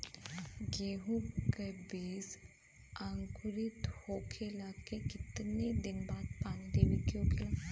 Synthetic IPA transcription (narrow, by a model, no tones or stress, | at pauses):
ɡeːɦukəbiːs | ãːŋkʊɾɪt̪hoːkʰelaːkekɪt̪nid̪ɪnbaːd̪pãːŋd̪eːʋikjõːkela